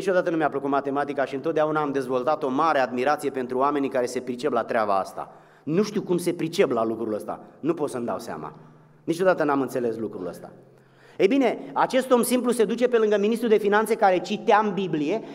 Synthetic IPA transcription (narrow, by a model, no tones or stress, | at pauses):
nit͡ʃo̞d̪at̪ənumeapləkut̪mat̪e̞mat̪ikaʃiɨnt̪ot̪̚d̪aunaːmd̪e̞zvo̞lt̪at̪o̞maɾe̞ad̪miɾat̪sije̞pe̞nt̪ɾuoame̞nikaɾe̞se̞pɾit͡ʃe̞plat̪ɾeaba̰a̰st̪a̰ | nuʃt̪iwkumse̞pɾit͡ʃe̞plalukɾuləst̪a̰nupo̞t̪səmd̪a̰wsea̰ma̰ | nit͡ʃo̞d̪at̪ənamɨnt̪se̞le̞slukɾṵlə̰st̪a̰ | ejbine̞at͡ʃe̞st̪o̞msimpluse̞d̪ut͡ʃe̞pe̞lɨŋɡəminist̪ɾud̪e̞finant̪sekaɾe̞t͡ʃit̪eambiblije̞